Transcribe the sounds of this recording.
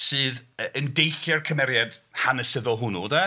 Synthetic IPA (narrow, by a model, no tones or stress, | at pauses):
sɨːðəəndejɬjɛrkʰəmɛɾjad̥hanəsɪðɔlˠɦʊnuda